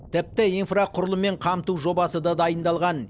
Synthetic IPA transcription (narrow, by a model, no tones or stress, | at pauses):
t̪ʰɪp̚t̪ɪinfraqʰʊɾəlˠəme̞ɴqʰɑmt̪uwʒo̞bɑsəd̪ɑd̪ɑjənd̪ɑlˠʁɑn